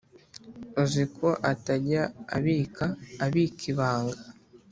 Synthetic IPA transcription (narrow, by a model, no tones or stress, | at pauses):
uziko̞ʔataɟaa̰βiːkaːβikʰiβaːŋɡa